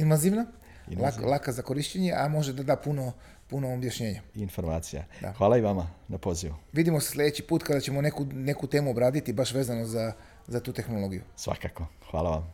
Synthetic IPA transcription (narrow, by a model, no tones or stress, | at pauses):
inʋaziʋna | lalˠakazako̞ɾiʃt͡ɕeɲe̞ʔamo̞ʒe̞d̪ad̪aːpuno | punoːbjaʃɲe̞ːɲaiinfoɾmaːt̪sija̰d̪a̰xʋaːlaiʋamanapoziʋuʋid̪imo̞seslʲe̞d̪et͡ɕipuːt̪kad̪at͡ɕe̞mo̞nekune̞kut̪eːmuobɾaːd̪it̪ibaʃʋe̞ːzano̞za | zat̪uːt̪e̞xno̞lo̞ɡijṵsʋa̰kakoxʋa̰ːlˠaʋam